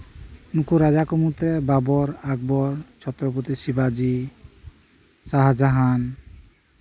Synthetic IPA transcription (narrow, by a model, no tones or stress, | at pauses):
nukuɾad͡ʒakomut̪ɾɛbabɔɾaɡ̚bɔɾt͡ʃʰɔt̪ɾɔp̬ot̪isibad͡ʒi | saɦad͡ʒaɦan